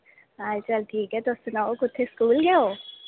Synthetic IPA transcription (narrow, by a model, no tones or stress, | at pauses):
ɦaːt͡ʃɐlʈʰiːkɦɛt̪osʊnaːokʊt̪ʰːeskuːlɡeoː